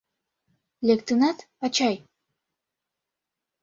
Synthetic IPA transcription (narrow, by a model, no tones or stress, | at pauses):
lʲekt̪ɨnɑt̪ | ɑt͡ɕɑj